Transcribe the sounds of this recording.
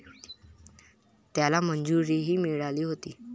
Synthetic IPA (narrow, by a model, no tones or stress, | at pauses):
t̪jalamənd͡zuɾiɦiːmiɭaliːɦot̪iː